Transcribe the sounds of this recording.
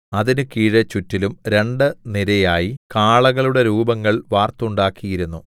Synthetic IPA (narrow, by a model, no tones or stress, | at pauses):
ɐðinukiːɻɐt͡ɕːutːilumɾe̞ɳɖɨniɾɐjaːjikaːɭɐɣɐɭuɽe̞ɾuːbɐŋːɐɭʋaːrt̪uɳɖaːkːijiɾunːu